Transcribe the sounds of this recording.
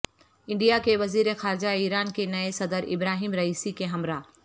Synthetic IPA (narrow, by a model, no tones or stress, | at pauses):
ɪ̃ɳɖijakeʋɐziːɾexaːɾd͡ʒaiːɾaːnkenɐesɐd̪əɾɪ̰bɾaːɦiːmɾɐiːsikeɦɐmɾaː